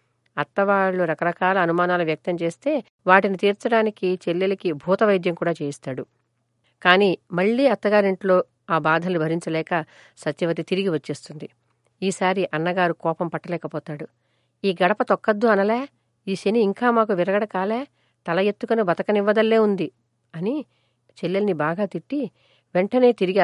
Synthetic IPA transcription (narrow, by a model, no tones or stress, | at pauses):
ɐt̪ːɐʋaːɭːuɾɐkɐɾɐkaːlɐːnumaːnaːluʋjɐk̚t̪ɐmt͡ʃe̞ːst̪e̞ː | ʋaːʈinit̪iːɾt͡ʃɐɽaːnikit͡ʃe̞lːelɐkibʱuːt̪ɐʋɐjd̪jɐŋkuːɽaːt͡ʃe̞ːjist̪aːɽu | kaːniːmɐɭːiːɐt̪ːɐɡaːɾiɳʈlo̞ː | aːbaːd̪ʱɐlnubʱɐɾiɲt͡ʃɐlɛːkɐ | sɐt̪jɐʋɐt̪̬it̪iɾiɡiʋɐt͡ʃːeːst̪und̪i | iːsaːɾiʔɐnːɐɡaːɾukɔːpɐmpɐʈːɐlɛːkɐpɔːt̪aːɽu | iːɡɐɽɐpɐt̪ɔkːɐd̪ːuɐnɐleː | iːʃeniːŋkaːmaːkuʋiɾɐɡɐɽɐkaːleː | t̪ɐlɐjet̪ːukɐnubɐt̪ɐkɐniʋːɐd̪ɐlːe̞ːund̪i | ɐni | t͡ʃelːelɐnibaːɡaːt̪iʈːi | ʋe̞ɳʈɐne̞ːt̪iɾiɡ